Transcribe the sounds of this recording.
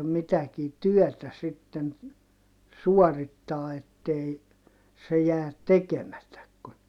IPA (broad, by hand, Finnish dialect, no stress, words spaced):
mitækiː tyøtæ sitːen suɔritːɑː etːei se jæːt tekemætæk kun